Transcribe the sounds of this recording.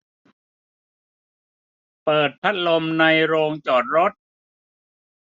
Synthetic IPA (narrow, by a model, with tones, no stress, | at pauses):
pɤː˨˩t̪̚t͡ɕʰa˦˥t̪̚lo˧mna˧jɾoː˧ŋt͡ɕɔː˨˩t̪̚ɾo˦˥t̪̚